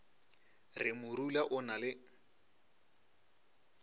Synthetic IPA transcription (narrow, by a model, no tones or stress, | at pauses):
rɪmʊɾulaʔʊnalɪ